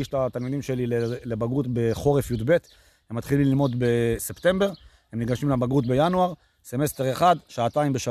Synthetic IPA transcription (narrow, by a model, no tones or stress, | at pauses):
iʃtat̪almid̪imʃe̞lilelebaɡut̪be̞χo̞ʁefjud̪be̞t̪ | hemːat̪χilimlilmo̞d̪be̞sept̪e̞mbe̞ʁ | hemniɡaʃimlabaɡut̪be̞januaʁ | se̞me̞st̪e̞ʁeχad̪ʃaːt̪aimbeʃa